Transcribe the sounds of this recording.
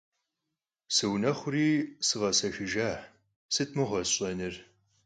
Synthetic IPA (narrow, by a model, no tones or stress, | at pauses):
sɨwnɐχʷʊriːsɨʁɐsɐʃɪʒaħ | sɨtʰmɨʁʷɔɕʼɐnɨr